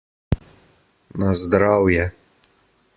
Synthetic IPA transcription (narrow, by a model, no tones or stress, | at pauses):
nazd̪ɾaːwjɛ